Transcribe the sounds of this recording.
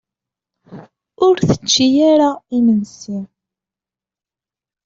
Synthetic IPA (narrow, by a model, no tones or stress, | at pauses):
ʊɾθə̥t͡ʃːijaɾaimənsi